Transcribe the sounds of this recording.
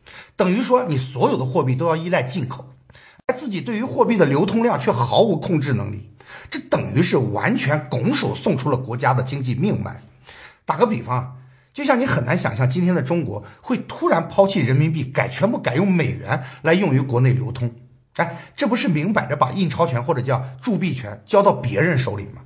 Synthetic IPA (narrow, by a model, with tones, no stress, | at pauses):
t̪ɤ˨˩ŋy˧˥ʂwɔ˥ni˨˩swɔ˧˥jo˨˩ʊd̪ə˦xwɔ˥˧pi˥˩t̪o˥ʊjɑ˥˧ʊi˥˧la˥˧ɪt͡ɕi˥˩nkʰo˨˩˦ʊ | a˧˥ɪt͡sɹ̩˥˩t͡ɕi˨˩t̪we˥˩ɪy˧˥xwɔ˥˧pi˥˩d̪ə˩ljo˧˥ʊt̪ʰʊ˥ŋljɑ˥˧ŋt͡ɕʰɥɛ˥˩xɑ˧˥ʊu˧˥kʰʊ˥˧ŋʈ͡ʂɻ̩˥˩nɤ̰˧˥ŋlḭ˥˩ʈ͡ʂɤ˥˩t̪ɤ˨˩ŋy̰˧˥ʂɻ̩˥˩wa̰˧˥nt͡ɕʰɥɛ˧˥nkʊ˧˥ŋʂo˨˩ʊsʊ˥˧ŋʈ͡ʂʰu˥lə˨kwɔ˧˥t͡ɕja˥d̪ə˨t͡ɕi˥ŋt͡ɕi˥˧mi˥˧ŋma̰˥˩ɪ | t̪a˨˩ɡə˧˥pi˨˩fɑ˧˥ŋ˩ | t͡ɕjo˥˧ɕjɑ˥˩ŋni˧˥xə˨˩na˧˥nɕjɑ̰˨˩ŋɕjɑ˥˩ŋt͡ɕi˥nt̪ʰjɛ˥nd̪ə˨ʈ͡ʂʊ˥ŋkwɔ˧˥xwe˥˩ɪt̪ʰu˥ɻa˧˥npʰɑ˥ʊt͡ɕʰi˥˩ɻə˧˥nmi˧˥npi˥˩ka˨˩ɪt͡ɕʰɥɛ˧˥npu˥˩ka˨˩ɪjʊ˥˩ŋme˨˩ɪɥɛ̰˧˥nla˧˥ɪjʊ˥˩ŋy˧˥kwɔ˧˥ne˥˩ɪljo˧˥ʊt̪ʰʊ˥ŋ | a˥˩ɪʈ͡ʂɤ˥˩pu˧˥ʂɻ̩˥˩mi˧˥ŋpa˨˩ɪdə˦pa̰˨˩i˥˩ŋʈ͡ʂʰɑ˧˥ʊt͡ɕʰɥɛ˧˥nxwɔ˥˩ʈ͡ʂɤ˨˩t͡ɕjɑ˥˧ʊʈ͡ʂu˥˧pi˥˩t͡ɕʰɥɛ̰˧˥nt͡ɕjɑ˥ʊt̪ɑ˥˩ʊpjɛ̰˧˥ɻə˧˥nʂo˧˥ʊlḭ˨˩mɐ˦